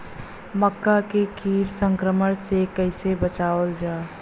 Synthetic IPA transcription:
məkːakekʰiːɾsə̃ŋkɾəməɽsekəɪsebət͡ʃaːəld͡ʒaː

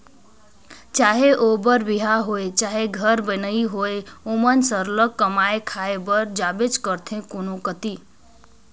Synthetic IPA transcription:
t͡ʃaːɦeʔobəɾbiɦaɦoet͡ʃaɦeɡʱəɾbənəiɦoeomənsəɾləkːəmaekʰaebəɾd͡ʒabed͡ʒkəɾt̪ʰẽkonokət̪i

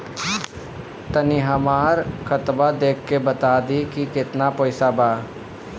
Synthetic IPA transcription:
t̪əniɦəmaːɾkət̪bad̪eːkʰːebət̪aːd̪ikikɪt̪napoːɪsabaː

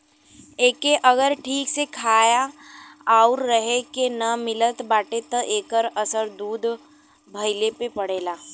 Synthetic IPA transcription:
eːkeʔɐɡəɾʈʰiːksekʰaːjaaʊɾːəɦekenɐmɪlət̪baːʈet̪ə̃ʔeːkəɾɐsəɾd̪uːd̪ʱ | bʱɐɪlepepɐɽeːlaː

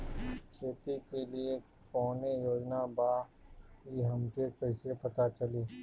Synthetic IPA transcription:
kʰeːt̪ikelie | kɔːnejoːd͡ʒnabaːɦiɦɐmkekɐɪsepɐt̪at͡ʃɐliː

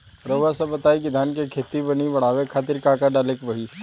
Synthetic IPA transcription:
ɾəʋasɐbɐt̪aːiɡɪd̪ʱaːnkekʰeːt̪ibɐniʋɐɽ̤aːʋekʰaːt̪̬ɪɾkaːkaɖaːleːkʋɐɦi

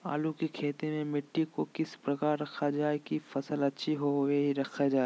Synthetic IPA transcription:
a̰ːlukikʰeːt̪emẽmɪʈːikokɪspɾɐkaːɾːɐkʰad͡ʒaːekifɐsəlɐtːʃʰiɦoweɦiɾɐkʰed͡ʒaːe

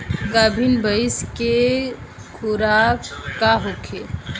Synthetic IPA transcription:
ɡabʱinbʱəɪske | kʰuɾakkaɦokʰe

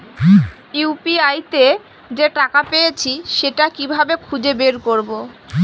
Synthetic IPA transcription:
jupiajt̪e | d͡ʑeʈakapejet͡ɕʰiʃeʈakibʱabekʰud͡ʑebeɾkoɾbo

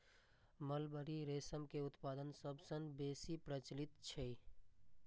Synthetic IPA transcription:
məlbəɾiɾeːsəmkeʊt̪paːd̪ənsəbsə̃nbeːsipɾət͡ʃlɪt̪t͡ʃʰe

